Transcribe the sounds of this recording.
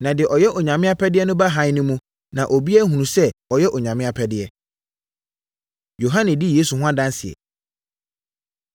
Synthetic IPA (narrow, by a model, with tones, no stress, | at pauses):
nã˨dɪ˨ɛ˨ʔɔ˨jɛ˦ʔɔ˨ɲã˨mɪ̃˦a˦pʰɛ˦dɪ˦ɛ˦nʊ̃˦ba˦ɦã˨˦ɲ˦nʊ̃˦mũ˦ | nã˨ʔo˨bi˦ɛ˦ɦũ˨ũ˨sɛ˦ɔ˨jɛ˦ʔɔ˨ɲã˨mɪ̃˦a˦pʰɛ˦dɪ˦ɛ˦ | jo˨ɦã˦nɛ̃˨di˦jeː˦su˨hʊ̃˦ã˦dã˦n˦sɪ˨ɛ̰˨